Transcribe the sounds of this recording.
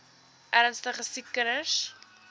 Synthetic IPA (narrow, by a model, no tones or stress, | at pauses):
ʔæɾənstəχəsikːənəʃ